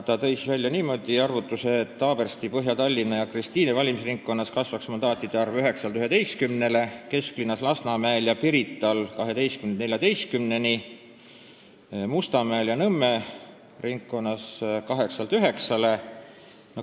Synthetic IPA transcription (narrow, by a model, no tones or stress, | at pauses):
t̪ɑt̪ɤ̞jsvælʲjɑniːmo̞d̪̥iɑrvut̪ːˑuse̞ːt̪ːɑːb̥e̞rst̪ipɤɦjɑt̪ɑlʲːinɑjɑkrist̪iːnevɑlʲimisriŋkːo̞nːɑskɑsvɑksmɑnd̪ɑːt̪ˑːid̪̥eɑrvyɦe̞ksɑlt̪yhe̞d̪e̞jst̪̚kymne̞le̞ke̞sklinːɑslɑsnɑmæeljɑpiɾit̪ːˑɑlkɑɦe̞d̪e̞jst̪kymenne̞lʲjɑd̪e̞jst̪̚kymne̞ni | must̪ɑmæeljɑnɤmːe̞ | riŋkːo̞nːɑskɑɦe̞ksɑlt̪yɦe̞ksɑle̞ | no